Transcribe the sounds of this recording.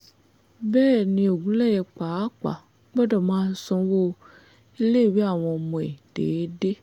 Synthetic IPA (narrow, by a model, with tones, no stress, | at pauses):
bɛ˦nĩ˨o˨ɡũ˦lɛ˦˨jɛ˨k͡pa˨a˦k͡pa̰˨ | k͡pɛ˦ɖɔ˨mã˦sɔ̃˦wo˦ | e˦le˦˨we˦a˨wɔ̃˨mũ˨ḛ˨ɖ̥ḛ˨e˦ɖe˦